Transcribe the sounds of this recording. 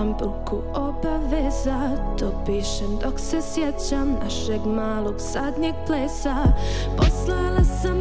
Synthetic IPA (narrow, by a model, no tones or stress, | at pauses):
ambuku | obaʋezat̪opiːʃemd̪oksesjet͡ɕamnaʃeɡmaːlˠoɡz̥ad̪ɲeɡ̚pleːsa | poslalasam